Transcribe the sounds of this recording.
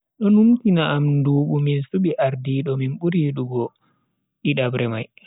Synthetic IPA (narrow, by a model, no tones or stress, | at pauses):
ɗɔnumtinaʔamnduːɓuminsuɓiʔaɾdiɗɔminɓuɾiɗuɡɔ | ɗiɗabɾɛmaj